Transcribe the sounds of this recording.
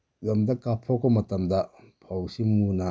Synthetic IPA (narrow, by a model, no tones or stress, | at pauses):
ɡɐmd̪akapʰɔkɔmɐtɐmd̪a | pʰɔwsimuna